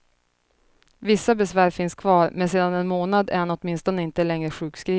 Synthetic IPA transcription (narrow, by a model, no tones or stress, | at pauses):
vɪsːabɛsvæːɾfɪnskʰvɑːɾmɛnseːd̪anɛnmoːnad̪æ̰ɾhanɔt̪mɪnst̪ɔnəɪnt̪əlɛŋɾəɧʉ̟ːkskɾiː